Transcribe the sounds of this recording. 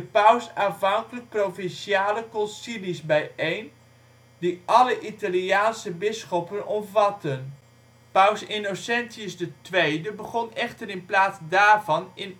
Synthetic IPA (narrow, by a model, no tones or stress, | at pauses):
dəpœwsanvɑŋkələk̚prowvɪnʃiaːləkɔnsilisbɛjejn | diʔɑləʔitaliaːnsəbɪsχɔpənɔmvɑtən | pœwsɪnosɛnsiəsdətʋejdəbəχɔnɛχtərɪnplaːtsdaːɹvɑnɪn